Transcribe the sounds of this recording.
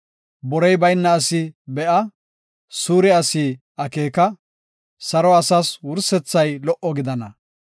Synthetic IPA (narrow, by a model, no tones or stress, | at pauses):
bɔɾɛjbɐjnːɐːsɪbɛʔɐ | suːɾɛɐsiː | ɐkeːkɐ | sɐɾɔɐsaswʊɾsɛt͡sːɐjlɔʔɔɡɪd̪ɐnɐ